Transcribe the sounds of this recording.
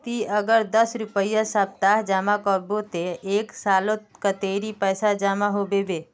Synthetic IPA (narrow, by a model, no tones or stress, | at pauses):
t̪iəɡəɾd̪əsɾʊpəjasab̚t̪aːɦd͡ʒaːmakɔbot̪eeːksaːlot̪kət̪eːɾipəːsad͡ʒaːmaɦoːbeʋeː